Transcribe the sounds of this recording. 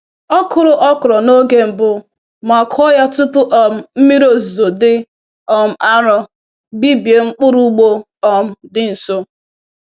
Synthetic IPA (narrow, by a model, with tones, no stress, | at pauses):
ɔ˦kʊ˨ɾʊ˦ʔɔ˦kʊ˨ɾɔ˨no˦ɡe˦m̩˨bʊ˦ | ma˨kʰɔ˦ja˦tu˦pʊ˦ʔɔ˨m̩˨m̩˦mi˦ɾo˦zu˨zo˨dɪ˦ | ɔ˨m̩˦ʔa˦ɾɔ˦ | bi˦bje˨ŋ͡m̩˦k͡pʊ˦ɾu˦ɡ͡bo˦ | ɔ˨m̩˦dɪ˦n̩˨so˦